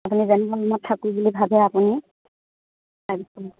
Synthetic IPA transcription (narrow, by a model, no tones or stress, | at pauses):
apunizɛnibalɔmɔtʰːakujbulibʱabɛapuni | labisil